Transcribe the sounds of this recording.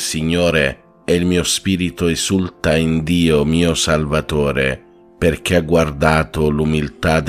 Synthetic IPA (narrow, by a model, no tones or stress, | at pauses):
siɲːoːɾe | ɛilmiːospiːɾit̪ʊezult̪aind̪iːomiːosalvat̪oːɾe | perk̟eaɡward̪aːt̪ʊlumilt̪ad̪